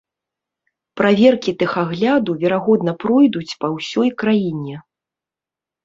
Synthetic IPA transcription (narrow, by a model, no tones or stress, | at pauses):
pɾavʲɛrkʲit̪ɨxaɣlʲad̪uvʲɛɾaɣɔd̪nɐpɾɔjd̪ut͡sʲpɐwsʲɔjkɾajinʲɛ